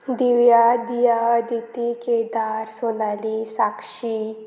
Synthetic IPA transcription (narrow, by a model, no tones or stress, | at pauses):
d̪iʋjad̪ijaad̪it̪iked̪aɾsonalisakʂi